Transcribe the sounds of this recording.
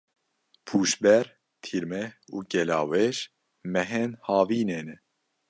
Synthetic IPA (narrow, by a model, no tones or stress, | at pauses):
pʰuːʃbɛɾ | t̪ʰiɾmɛuːɡɛlɑːwɛʃ | mɛɦɛnhɑːviːneːnɛ